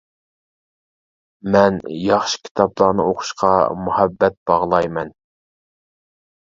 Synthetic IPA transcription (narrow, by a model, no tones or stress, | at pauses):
mɛnjɑχʃi̥kʲʰi̥t̪ʰɑplˠɑːnɨ̰oqʰʊ̥ʃqʰɑmuhɛbːɛt̪̚b̥ɑʁlˠɑjmɛn